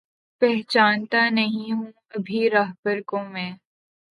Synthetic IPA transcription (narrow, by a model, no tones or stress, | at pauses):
pɛɦt͡ʃaːnt̪anɐɦĩɦũː | ɐbʱiɾɐɦbəɾkõmɛ̃ː